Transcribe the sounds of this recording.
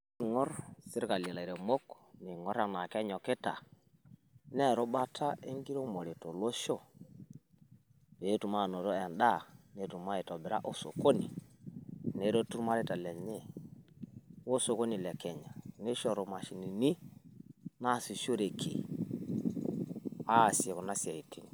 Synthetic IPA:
i˦ŋɔ˦ɾsɪ˦ɾka˨li˨e˨la˨i˨ɾe˨mo˦k | ni˨ŋɔ˦ɾa˨na˨kɛ˦ɲɔ˨ke˦ta̰˨ | nɛ˦˨ɾo˦ba˦tʰa˦e˦ŋɡi˦ɾo˦mo˨ɾe˨to˨lo˦ʃo˦˨ | be˨˦tu˨ma˦˨no˨ɾo˦ɛ˨nda˦˨ne˨tu˨ma˦e˨tɔ˨be˨ɾa̰˦ʔo˨so̰˨ko˦ni˨ | ne˨˦ɾo˦tu˦ɾma˦ɾe˦ta˨lɛ˨ɲe˦ | wo˦so˨ko˦ni˨lɛ˨kɛ˨ɲa˨ne˦ʃɔ˨ɾo˨ma˨ʃi˨ni˨ni˦ | na˦˨si˨ʃo˦ɾe˨kʰḭ˨ | a˦˨si˨e˨ko˨na˦si˨a˨i˨ti˦ŋ˨

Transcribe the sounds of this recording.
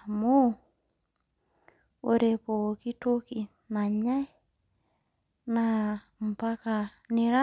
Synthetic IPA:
mo˦ | o˨ɾe˨po˨ki˦to˦ki˨ | na˨ɲa˦ | na˨ | m̩˨pa˦ka˨ | ni˨ɾa˦

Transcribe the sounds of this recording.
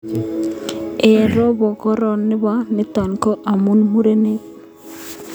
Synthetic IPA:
e˨ɾɔ˦bɔ˨kɔ˦ɾɔ˨nːɪ˦ba˦nɪ˦t̪a˨nkɔ˦ʔa˨mu˦nmu˦ɾe˦ne˦

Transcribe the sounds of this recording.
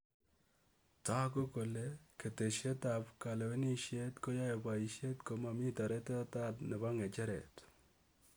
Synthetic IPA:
ta˦ko˦ko˨le˦ke˨te˨ʃe˦ta˨pka˨lɛ˨we˦ni˦ʃje˦tko˦ja˦je˨ba˨i˨ʃe˦tko˨˦ma˨mi˦ta˨ɾɛ˦te˦a˦ta˦tne˨ba˦ŋe˨t͡ʃɛ˦ɾɛ̰˨t

